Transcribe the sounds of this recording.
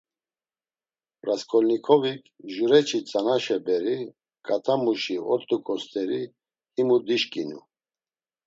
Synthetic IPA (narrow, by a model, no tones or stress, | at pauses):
pɾaskʰɔlnikʰɔvikʰʒuɾɛt͡ʃʰit͡sʼanaʃɛbɛɾi | kʼat̪ʰamuʃiɔt̪ʼukʼɔst̪ʰʼɛɾi | himud̪iʃkʼinṵ